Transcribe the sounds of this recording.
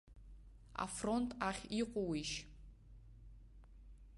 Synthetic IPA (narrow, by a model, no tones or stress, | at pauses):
a̰frontʰʼaχʲiqʷɔwiʃ